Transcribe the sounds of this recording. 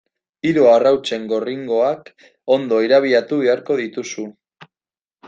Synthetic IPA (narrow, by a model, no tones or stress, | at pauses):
iɾoarawt͡se̞ŋɡo̞riŋɡo̞ak | o̞nd̪o̞iɾaβ̞iat̪uβe̞aɾko̞ðit̪usu